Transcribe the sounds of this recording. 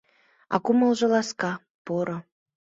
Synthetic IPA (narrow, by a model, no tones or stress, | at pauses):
ɑ̰kumə̆lˠʒɤ̆lɑskɑ | poɾŏ